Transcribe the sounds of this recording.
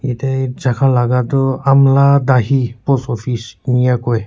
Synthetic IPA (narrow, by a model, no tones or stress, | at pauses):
itazakʰalaɡatʊamladaɦipɔsɔpʰisnijakoj